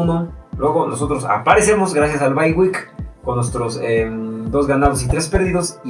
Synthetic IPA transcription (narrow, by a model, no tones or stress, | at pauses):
nolwe̞ɣo̞no̞so̞t̪ɾosa̰paɾe̞se̞mo̞sɡɾas̬jasalβajɣwikko̞nːwest̪ɾosed̪o̞zɣanaðos̬it̪ɾe̞spe̞ɾðiðo̞si